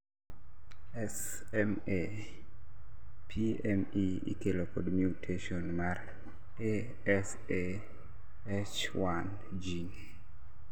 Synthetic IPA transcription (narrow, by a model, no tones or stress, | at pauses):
ɛs | ɛm | e | pʰiɛmi | ḭkelokodmjutʰeʃonmar | e | ɛs | e | et͡ʃ | wan | d͡ʒiŋ